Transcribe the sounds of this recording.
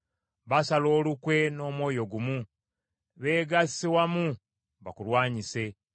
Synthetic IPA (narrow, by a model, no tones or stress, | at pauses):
βasalo̞ːlukwe̞no̞ːmwo̞ːjo̞ɡumu | βe̞ːɡasiwamu | βa̰kulwaːɲise̞